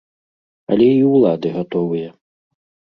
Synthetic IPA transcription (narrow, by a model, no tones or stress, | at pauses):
ɐ̰lʲɛiwlˠad̪ɨɣat̪ɔvɨjɐ